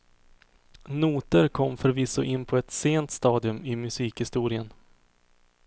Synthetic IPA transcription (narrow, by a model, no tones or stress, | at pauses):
nuːt̪əɾkʰɔmːfœɾvɪsʊʔɪnːpʰɔɛt̪seːnt̪st̪ɑːd̪ɪɵmɪmɵsiːkhɪst̪uːɾɪən